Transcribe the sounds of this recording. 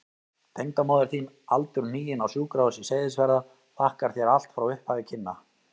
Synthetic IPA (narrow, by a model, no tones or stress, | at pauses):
t̪ʰejŋk̪amɔːðʏɾ̥θiːn | alt̪ʏɾniːjɪnawsjuːkɾawʏsiseːjðɪsvɛɾða | θahkaɾ̥θjɛɾal̥t̪fɾawʏhphaːðɪcʰɪnːa